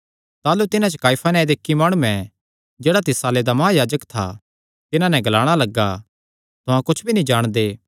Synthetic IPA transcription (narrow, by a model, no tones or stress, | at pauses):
t̪aːlut̪ɪnãt͡ʃəkaːipʰanɛ̃d̪ɪkːimaːɽ̃ũːɛ̃ | d͡ʒeːɽat̪ɪsaːled̪amɐɦajaːd͡ʒəkt̪ʰa̰ | t̪ɪnãnɛ̃ɡɐlaːɽ̃alɐɡa | t̪ʊɦãkʊt͡ʃʰbʱinĩd͡ʒaːɽ̃d̪eː